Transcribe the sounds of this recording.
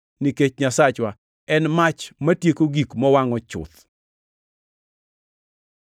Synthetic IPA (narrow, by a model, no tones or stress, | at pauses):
niket͡ʃɲasat͡ʃwa | ɛnmat͡ʃmatjekoɡikmɔwaŋɔt͡ʃʊ̰t̪